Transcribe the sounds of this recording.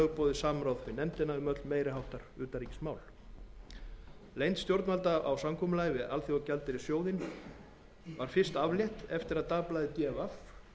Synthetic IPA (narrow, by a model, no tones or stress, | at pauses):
ɣpɔːðɪsaːmɾaːwðvɪnɛmt̪ɪnaʏmœt̪lmeːjɾɪɦawht̪aɾʏːt̪aɾiːcɪ̥smaːwl | lejnt̪st̪jowɾt̪nmalt̪aʔawsamkʰɔːmʏlaːjvɪalθjɔawcɛlt̪ɪɾɪsjoːwðɪn | vaɾ̥fɪr̥st̪avljɛht̪ɛft̪ɪɾaðt̪aːplajðɪt̪jɛːvaf